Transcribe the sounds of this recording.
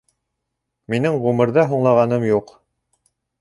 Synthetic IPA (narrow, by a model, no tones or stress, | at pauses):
minɘŋʁʉmɤ̆ɾðɑɦuɴlˠɑʁɑnɤmjuq